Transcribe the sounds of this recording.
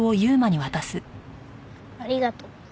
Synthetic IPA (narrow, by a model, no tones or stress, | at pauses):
o̞jɯ̟ːmaɲ̟iβat̪asɨ | aɾʲiɡat̪o